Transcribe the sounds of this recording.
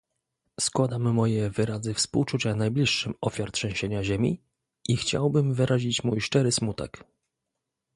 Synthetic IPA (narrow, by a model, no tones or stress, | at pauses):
skwad̪amːɔjɛvɘɾazɘfspuwt͡ʂut͡ɕanajblʲiʂːɘmɔfʲjaɾtʂɛ̃w̃ɕeɲaʑemʲḭ | ʔixt͡ɕa̰wbɘmvɘɾʔaʑit͡ɕmujʂt͡ʂɛɾɘsmut̪ɛ̰k